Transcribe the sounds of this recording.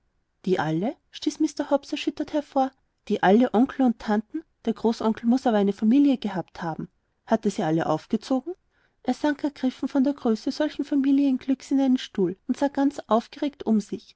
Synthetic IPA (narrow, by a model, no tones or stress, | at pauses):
d̥iːʔalə | ʃtiːsmɪstɐhɔpsɛɐʃʏtɐthɛɐfoːɐ | d̥iːʔaləʔɔŋkl̩ʊntʰantn̩d̥eːɐɡ̥ʁoːsʔɔŋkl̩mʊsʔaːbɐaɪnəfamiːljəɡəhaːpthaːbm̩ | hatəz̥iːʔaləʔa̰ʊfɡ̥ət͡soːɡŋ̩ | ʔeːɐz̥aŋkɛɐɡ̥ʁɪfn̩fɔndeːɐɡʁøːsəz̥ɔlçn̩famiːljənɡ̥lʏksɪnaɪnənʃtuːlʊntz̥aːɡ̥ant͡sʔaʊfɡ̥əʁeːktʊmzɪç